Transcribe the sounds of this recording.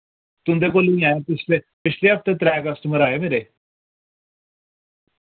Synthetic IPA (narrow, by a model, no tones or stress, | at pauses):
t̪ʊ̃nd̪eːkoːlĩːaːeːpɪt͡ʃʰleː | pɪt͡ʃʰleːɦəp̚t̪ẽːt̪ɾɛːkəsʈəməɾaːeːmeːɾeː